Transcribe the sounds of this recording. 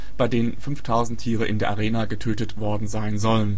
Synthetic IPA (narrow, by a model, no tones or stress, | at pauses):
b̥aɪdeːnənfʏnftʰaʊzn̩tʰiːʁ̞əʔɪ̰ndeːɐʔaʁeːnaɡətʰøːtətv̥ɔɐdn̩zaɪnzɔlən